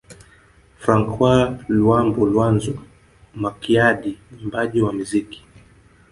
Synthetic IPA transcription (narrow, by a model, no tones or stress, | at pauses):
fɾaŋkwalwambulwanzu | makiaɗinimbaʄiwamiziki̥